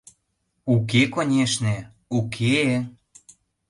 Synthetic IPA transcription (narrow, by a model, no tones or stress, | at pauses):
uk̬ekonʲeʃne | ukʰe